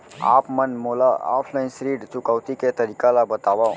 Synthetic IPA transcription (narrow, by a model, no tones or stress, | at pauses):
a̰ːpmənmolaa̰ːpʰlaɪnsɾiːɖt͡ʃʊkawt̪iket̪əɾiːkalabət̪aʋa